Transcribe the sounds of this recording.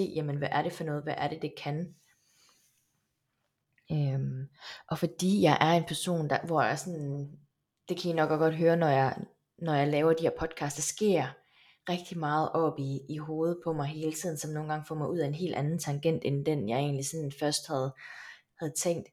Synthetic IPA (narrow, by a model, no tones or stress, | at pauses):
e̝̰ːjæmənʋæʔæɐɾe̝fɒ̽nɔ̽ːð̩ˠʋæʔæɐɾe̝d̥e̝kʰæn | ømʔɒ̽fɒ̽d̥ḭːjɑ̈ɪʔæɐe̝npʰæɐso̝̰ːnd̥ɑ̈ʋɒjæɐsɒn | d̥e̝kʰæinɒ̽ɡ̥ɒɡ̥ɒ̽d̥ɦøːɐnɒjɑɪ | nɒjɑ̈ɪlɛːʊɐd̥iheɐ̰pʰɒ̽d̥̚kʰɑ̈ːsd̥ɑ̈sɡ̥e̝ɐ̰ | ʁɛɡ̥̚d̥imɑ̈ːð̞̩ˠʔɒ̽b̥iːɦo̝ːð̞̩ˠpʰɒ̽mɑ̈ɪɦe̝ːlət͡sʰið̞̰ˠn̩sɒ̽mno̝ːn̩ɡɑ̈ŋfɒ̰ːmɑ̈ɪuð̰ˠæe̝nɦe̝̰ːld̥ænn̩t͡sʰɑ̈ŋɡ̥en̰d̥end̥enjɑ̈ɪe̝̰ːnlisɒ̽nnfɶɐsd̥̚hæð̞̩ˠ | hæð̞̩ˠt͡sʰeŋ̰d̥